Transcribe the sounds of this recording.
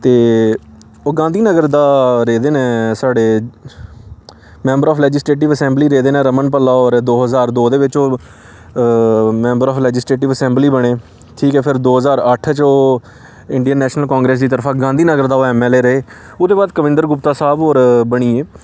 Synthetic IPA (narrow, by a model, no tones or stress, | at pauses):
t̪eː | oːɡãːnd̪iːnəɡəɾd̪aːɾeːd̪eːnɛ̃ːsaːɖeː | mɛ̃ːmbəɾɔːpʰlɛːd͡ʒɪsʈɾeːʈ̬ɪʋəsɛ̃ːmbliːɾeːd̪eːnẽːɾəmənpəlːaːɔːɾd̪oːɦəzaːɾd̪oːd̪eːʋɪt͡ʃoː | mɛ̃ːmbəɾɔːpʰlɛːd͡ʒɪsʈɾeːʈ̬ɪʋəsɛ̃ːmbliːbəɽ̃eː | ʈʰiːkɛːpʰɪɾd̪oːɦəzaːɾəʈʰt͡ʃoː | ɪɳɖiənːɛːʃnəlkãːŋɡɾeːs̬d̪iːt̪əɾpʰaːɡãːnd̪iːnəɡəɾd̪aːoːɛːmɛːleːɾəeː | ʊd̪eːbaːd̪kəʋɪ̃nd̪əɾɡʊpt̪aːsaːboːɾbəɽ̃iːeː